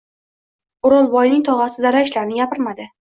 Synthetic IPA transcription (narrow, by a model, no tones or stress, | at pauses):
ʊɾɒlˠbɒjnɪŋt̪ʰɒʁasɪzaɾaɪʃlaɾnɪɡʲapɪɾmad̪ɪ